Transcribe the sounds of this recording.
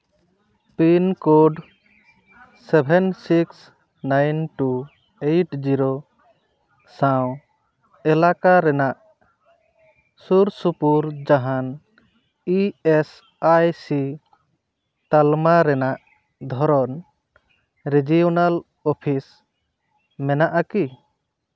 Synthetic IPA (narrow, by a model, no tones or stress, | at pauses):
pinkoɖ | sebʱɛnsiks | najnʈu | ejʈd͡ʒiɾo | sãw̃ | ɛlakaɾɛnaʔ | suɾsupuɾd͡ʒaɦan | iɛs | ajsi | t̪almaɾɛnaʔ | d̪ʱɔɾɔn | ɾid͡ʒijɔnal | ɔpʰis | mɛnaʔaki